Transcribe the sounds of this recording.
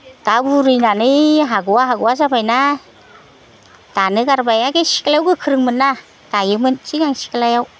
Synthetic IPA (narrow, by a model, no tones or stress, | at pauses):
tabuɾɯjnanɯɦaɡuwaɦaɡuwazabajna | d̥anɯɡaɾbajaɡesi̥klawɡɯkʰɯɾɯŋmɯnːa | d̥ajɯmɯnt͡ʃiŋaŋsi̥klajaw